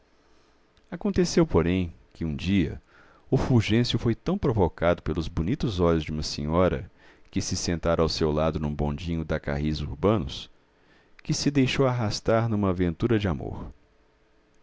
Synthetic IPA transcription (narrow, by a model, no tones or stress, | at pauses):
akõnt̪esewpoɾẽj̃kɪũd͡ʒiɐ̰ | ʊfuɾʒẽsjʊfojt̪ɐ̃w̃pɾovokad̪ʊpelʊzbonit̪ʊzɔʎʊzd͡ʒɪũmɐsĩɲɔɾɐ̰ | kɪsɪsẽnt̪aɾɐawsewlad̪ʊnũbõ̰d͡ʒĩɲʊd̪ɐka̰ɦizṵɾbɐ̃nʊ̰s | kɪsɪd̪ejʃowaɦast̪aɾnũmɐːvẽnt̪uɾɐd͡ʒɪamo̰ɾ